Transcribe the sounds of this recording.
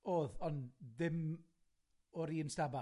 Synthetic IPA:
oːðɔnðɪm | ɔɾiːənstaba

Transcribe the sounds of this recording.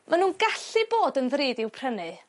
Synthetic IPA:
mʔanuːnɡaɬɨboːdənðreːdɪwpʰr̥ənɨ

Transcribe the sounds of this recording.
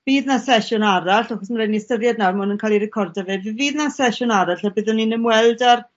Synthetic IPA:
viːðnasɛʃʊnaɾaɬaχɔsmaɾejnistəðjadnarmʊnənkʰalˠiɾɛkʰɔrdɛveːvɨviːðnasɛʃʊnaɾaɬabɪðɔninəmwɛlˠdar

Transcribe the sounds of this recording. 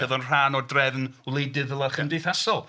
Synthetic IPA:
əðɔnr̥aːnɔdrɛvnwlˠedɨðəlˠaχəmdejθasɔlˠ

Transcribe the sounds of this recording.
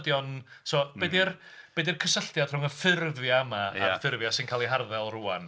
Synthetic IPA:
djɔnsɔːbedɪrb̥edɪrkʰəsəɬtjad̥r̥ʊŋəfɪrvjaamaa̰fɪrvjasɪnkʰaːlˠiɦarðɛlˠruːa̰n

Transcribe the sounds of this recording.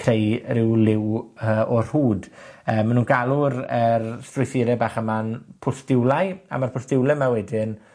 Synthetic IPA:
kʰrejrɪwlɪwəːʔɔr̥huːdəːmːanuːnɡalˠʊɾərstrʊjθɪɾɛbaːχəmanpʰʊsd̥ɪwlˠaja̰marpʰʊsd̥ɪwlˠɛmawɛdɪn

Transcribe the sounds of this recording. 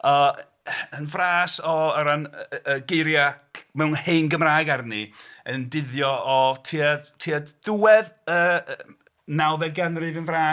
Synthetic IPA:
ɔ | ənvraːsɔəɾanəɡejɾjakmɛwnhejnɡəmraːɡarniəndɪðjɔɔtʰiatʰiad̥uwɛðəː | nawðɛɡanrɪvənvraː

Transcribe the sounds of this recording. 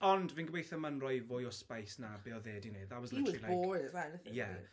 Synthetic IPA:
ɔndvinɡwejθəmənrɔjvʊjɔspajsnabeːɔðeːdinejdðawɔzlilajojwɛnəθjɛ

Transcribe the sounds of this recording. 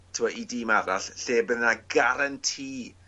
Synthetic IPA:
tʰɪwɔidiːmaɾaɬɬeːbəðnaɡaɾantʰiː

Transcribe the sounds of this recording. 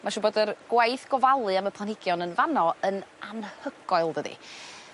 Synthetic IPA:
mʔaʃuːboːdərɡ̥wajθɡ̥ɔvalˠɨaməpʰlˠanhɪɡjɔnənvanɔənanhəɡ̥ɔɨlˠdədḭ

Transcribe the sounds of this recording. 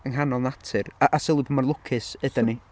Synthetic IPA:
əŋɦanɔlˠnatʰɨraʔasɪlˠɪbomarlˠʊkʰɨsɨdəni

